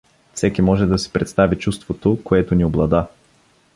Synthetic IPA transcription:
fsɛkimɔʒɛd̪ɐsɛ̥pɾɛt̪st̪avit͡ʃust̪vot̪okoɛt̪onioblˠɐd̪a

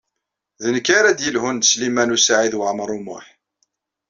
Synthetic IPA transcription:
ðənəkːaɾæd̪jəlhʊnd̪slimænusaʕiðwəʕməɾˤʊmʊ̰ħ

